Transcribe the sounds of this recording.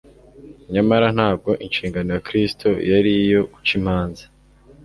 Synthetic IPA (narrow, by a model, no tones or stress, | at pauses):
ɲamaɾan̥haːb̚ɡo̞ʔinʃiːŋɡanojakɾistʰojaɾijo̞kut͡ʃim̥haːnzḁ